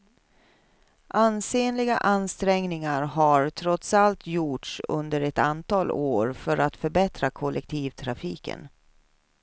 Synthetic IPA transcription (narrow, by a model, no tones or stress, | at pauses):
ʔanseːnlɪɡaʔanst̪ɾɛŋnɪŋaɾɦaɾt̪ʰɾɔt̪salt̪juːʈʂɵ̰nd̪əɾɛt̪a̰nt̪ʰɑːloːɾfœɾat̪fœɾbɛt̪ɾakʰɔlʔɛk̚t̪ʰiːvt̪ʰɾafiːkə̰n